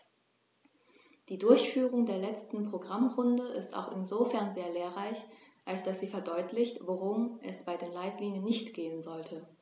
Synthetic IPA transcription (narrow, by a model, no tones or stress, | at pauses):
d̥iːdʊɐçfyːʁ̞ʊŋdeːɐlɛt͡stn̩pʁ̥oɡʁamʁʊndəʔɪsta̰ʊxɪnzofɛɐnzeːɐleːɐʁaɪçʔalsd̥asz̥iːfɛɐdɔʏtʰlɪçtvoʁʊmʔɛsb̥aɪdeːnlaɪtliːnjənːɪçtɡ̥eːənzɔltʰə